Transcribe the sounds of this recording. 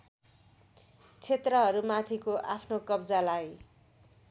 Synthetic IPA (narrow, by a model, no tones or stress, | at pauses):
t͡sʰet̪rʌɦʌɾumat̪ʰikoʔapʰnokʌbd͡zalaj